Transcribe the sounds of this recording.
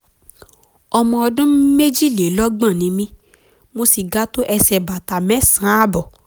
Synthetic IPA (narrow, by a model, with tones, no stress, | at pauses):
ɔ˧mɔ̃˧ɔ˧dũ˦me˦d͡ʒi˦˨le˨˦lɔ˦ɡ͡bã˦˨nĩ˨˧˦mĩ˦ | mo˧si˨ɡa˦to˦ʔɛ˧sɛ˧ba˨ta˨mɛ̃˦sã˨˦a˦bɔ˨